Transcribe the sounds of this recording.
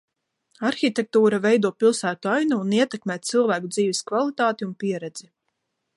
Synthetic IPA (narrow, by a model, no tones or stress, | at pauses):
aɾxʲit̪ʲɛk̚t̪uːɾavɛjd̪uɔpilˠsæːt̪uajnuuniɛt̪ɛkmɛːt̪̚silˠvæːkud̪ziːviskvalˠit̪aːt̪iunpiɛɾɛd̪z̥i